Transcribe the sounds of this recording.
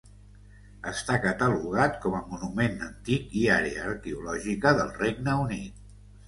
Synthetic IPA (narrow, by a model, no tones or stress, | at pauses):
əst̪akət̪əluɣ̞at̪̚kɔməmunumenənt̪ikiaɾeəːɾkeulɔʒikəðəlˠreɡ̚nəunit̪̚